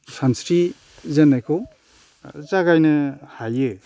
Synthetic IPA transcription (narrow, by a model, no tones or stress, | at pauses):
sʰansɾi | zenːajkʰo | zaɡajnɯhajɯ